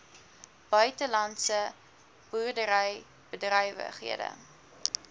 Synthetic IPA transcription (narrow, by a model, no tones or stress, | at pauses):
b̥œɥtəlɐnsə | b̥urdəɾəj | b̥ədrəjvə̰χɦḭədə̰